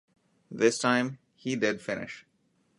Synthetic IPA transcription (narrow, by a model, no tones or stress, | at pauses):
ðɪsʈʰãɪ̃m | hiːɖɪɖfɪnʔɪ̰ʃ